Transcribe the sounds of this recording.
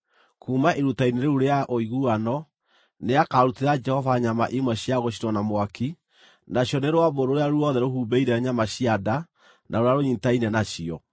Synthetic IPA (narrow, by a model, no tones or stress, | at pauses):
kuːmaʔeɾutaineɾeuɾeaʔoiɣuanɔ | neakaɾuteɾad͡ʒɛhɔvaɲama̰ʔimwɛɕiaɣoɕ̬inwanamwaki | naɕjɔneɾwaβoɾoɾeaɾuɔðɛɾohuːbɛiɾɛɲamaɕiada | nʔaoɾaɾoɲintainɛnaɕiɔ